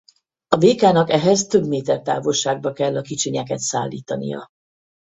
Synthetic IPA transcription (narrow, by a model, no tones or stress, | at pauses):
ɒbeːkaːnɒkɛɦɛzt̪ø̞bmeːt̪ɛrt̪a̰ːvolʃaːɡ̚bɒkɛlːɒkit͡ʃiɲɛkɛt̪saːlːḭːt̪ɒnḭjɒ̰